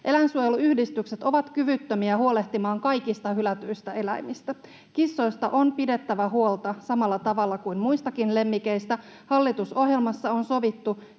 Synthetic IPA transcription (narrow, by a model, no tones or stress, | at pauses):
ʔe̞læinsuoje̞luyhdist̪ykse̞t̪o̞ʋɑt̪kyʋyt̪ːømiæhuo̞le̞ht̪imɑːŋkɑjkist̪ɑhylæt̪yist̪æe̞læjmist̪æ | kisːo̞jst̪ɑʔo̞npide̞t̪ːæʋæɦuo̞lt̪ɑsɑmɑlːɑt̪ɑʋɑlːɑkuinmuist̪ɑkinle̞mːikeist̪æ | hɑlːit̪uso̞ɦje̞lmɑsːɑo̞nso̞ʋit̪ːu